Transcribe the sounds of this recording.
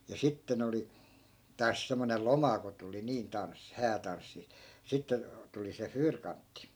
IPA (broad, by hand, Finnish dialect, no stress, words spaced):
jɑ sitːen oli tɑːs semːonel̆ lomɑ ko tuli niːn tɑnsːi hæːtɑnsːi sitːe tuli se fyːrkɑntːi